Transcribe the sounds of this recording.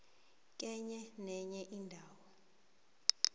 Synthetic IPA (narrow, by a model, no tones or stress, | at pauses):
k̬ʼɛɲɛnɛɲɛʔindʱaːwɔ